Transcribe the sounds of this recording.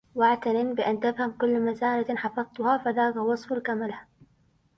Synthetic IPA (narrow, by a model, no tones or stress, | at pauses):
waʕt̪anɪnbɪʔant̪afhamkʊlːmazaːlaħɑfɑðt̪ʊhafaðaːkawɑsˤfalkamalh